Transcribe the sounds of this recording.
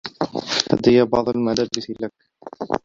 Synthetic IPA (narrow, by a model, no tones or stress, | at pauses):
ʔa̰d̪ːɪjabɑʕd̪ˤalmalabɪslak̚